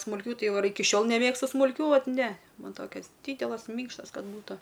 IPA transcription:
smʊlʲˈkʲuː ˈtɐɪ ˈʋɐ ɪr ˈɪkʲɪ ˈʃʲoːlˠ nʲɛˈmʲeːkstʊ smʊlʲˈkʲuː ˈʋɐt ˈnʲɛ ˈmɐn ˈtoːkʲɛs ˈdʲiːdʲɛlˠɐs ˈmʲiːŋkʃtɐs ˈkɐt ˈbuːtɐ

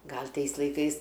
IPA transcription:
ˈɡɐlʲ ˈtɐɪs lˠɐɪˈkɐɪs

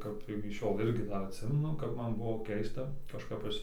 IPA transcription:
ˈkɐp ɪkʲɪ ˈʃʲoːlˠ ˈɪrʲɡʲɪ ˈdɐr ɐtʲˈsʲɪmʲɛnʊ ˈkɐp ˈmɐn ˈbʊʋoː ˈkʲɛɪstɐ kɐʃˈkɐp ˈɐʃ

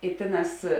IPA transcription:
ɪ ˈtʲeːˌnɑːs

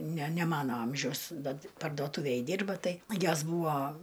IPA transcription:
nʲɛ nʲɛ ˈmɑːnoː ˈɐmʲʒʲɛʊs dɐ pɐrdoːˈtuːʋʲeːj ˈdʲɪrbɐ ˈtɐɪ ˈjoːs ˈbuːʋoː

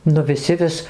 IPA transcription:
nʊ ʋʲɪˈsʲɪ ˈʋʲɪs

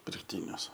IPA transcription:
pʲɪrkˈtʲiːnʲʊs

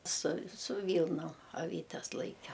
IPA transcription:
sʊ sʊ ˈʋʲiːlˠnoːm ɐˈʋʲiːtʲɛs ˈlˠɐɪkʲɛ

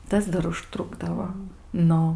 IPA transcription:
ˈtɐs dɐr ʊʃˈtrʊɡdɐʋoː ˈnʊ

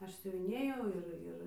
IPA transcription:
ˈɐʃ sʲʊʋʲɪˈnʲeːjɛʊ ˈɪr ˈɪr

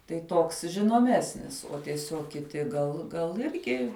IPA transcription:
tɐɪ ˈtoːks ʒʲɪnoːˈmʲæːsʲnʲɪs oː tʲiɛˈsʲoːk kʲɪˈtʲɪ ɡɐlˠ ɡɐlˠ ˈɪrʲɡʲɪ

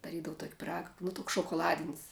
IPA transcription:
dɐˈrʲiːdɐʋʊ toːkʲ pʲɪˈrɑːɡɐ nʊ ˈtʊks ʃoːkoːˈlˠɑːdʲɪnʲsʲ

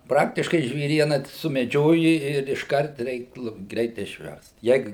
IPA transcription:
ˈprɑːktʲɪʃkɐɪ ʒʲʋʲeːˈrʲiɛnɐ sʊmʲɛˈd͡ʒʲoːjɪ ɪr ɪʃˈkɐrt ˈrʲɛɪk ˈlˠʊpt ˈɡrʲɛɪt ɪʃʲˈʋʲɛrst ˈjɛɪk

